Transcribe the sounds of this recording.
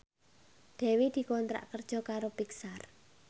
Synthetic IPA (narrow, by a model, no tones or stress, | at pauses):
d̪̥ɛ̤wid̪̥i̤kɔnt̪ɾa̰ʔkərd̥ʒ̥ɔ̤kaɾopiksar